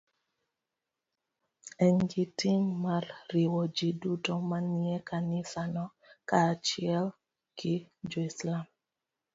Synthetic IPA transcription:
ɛŋɡitiŋmarriwɔd͡ʒidutomaniɛkanɪsanɔ | kat͡ʃiɪɛl | kʰɪd͡ʒoislam

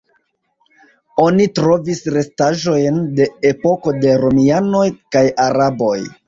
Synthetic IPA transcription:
o̞nitɾo̞visɾe̞staʒo̞jnde̞epo̞ko̞de̞ɾo̞miano̞jkajaɾabo̞j

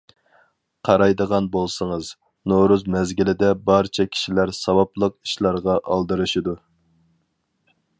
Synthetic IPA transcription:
qʰɑɾɑjd̪əʁɑnbolˠsəŋəz | noɾuzmɛzɡʲilɪd̪ɛbɑɾt͡ʃʰɛkʲʰi̥ʃilæɾsɑwɑplˠəq̚i̥ʃlˠɑɾʁɑʔɑlˠd̪ɨɾɨʃid̪u

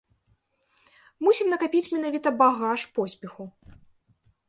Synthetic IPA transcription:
musʲimnɐkapʲit͡sʲmʲɛn̪avʲit̪ɐbaɣaʂpɔsʲpʲɛxu

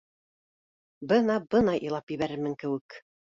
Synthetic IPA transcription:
bɤnɑbɤnɑjʔɤ̆jlˠɑpjɘ̆βæɾɘɾmɘŋkɘ̆wɘk

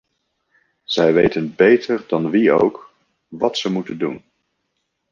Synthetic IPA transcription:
z̥ɛjʋejtənbejtʰəɹdɑnʋio̰wk | ʋɑtsəmutəndun

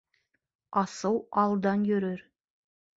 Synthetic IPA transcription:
ɑsɤwɑlˠd̪ɑnjɵ̆ɾɵɾ

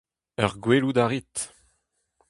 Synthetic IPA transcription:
œʁɡwelud̪aʁit̪

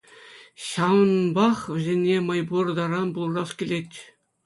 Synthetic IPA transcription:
ɕɑʋɤ̆nbɑχʋʲɘ̆zʲenʲːemɑjburd̪ɑɾɑnbulˠrɑskʲilʲetʲ

